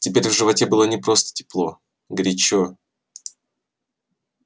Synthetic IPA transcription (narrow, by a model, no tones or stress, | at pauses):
tʲɪpʲeɾʲvʐɨvɐtʲebɨlˠənʲɪpɾo̞st̪ə̥tʲɪ̥plˠo̞ | ɡɾʲɪt͡ɕo